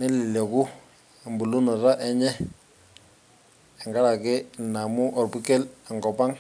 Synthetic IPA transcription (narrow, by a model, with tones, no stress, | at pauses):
nɛ˦lɪ˨lɛ˨ku˦˨ | mbu˨lu˦nɔ˨ra˦ʔɛ˦ɲɛ˦ | ɛ˨ŋɡa˦ɺa˨kɪ˦˨na˨mu˦ʔɔ˨rpu˦kɛ˦lɛ˨ŋkɔ˨pa˦ŋ